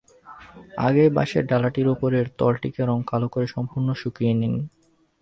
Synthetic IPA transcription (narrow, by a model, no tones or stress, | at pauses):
a̰ɡeba̰ʃḛɾɖalaʈiɾopoɾeɾt̪ɔlʈikeɾɔŋkalokoɾeʃɔmpuɾnoʃukienin